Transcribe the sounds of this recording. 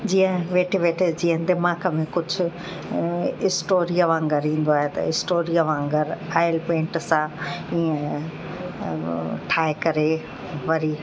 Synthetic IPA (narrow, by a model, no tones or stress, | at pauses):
d͡ʑiːə̃ʋeːʈʰiʋeːʈʰed͡ʑĩːə̃d̪ɪmaːkəmẽkʊd͡ʑʱʊ̆ | ɪsʈoːɾiəʋãːŋɡəɾĩːn̆d̪oaːɦet̪ɐ̰ɪsʈoːɾiəʋãːŋɡəɾaːɪlpẽːɳʈsãiːə̃ | ʈʰaːekɐɾe | ʋɐɾiː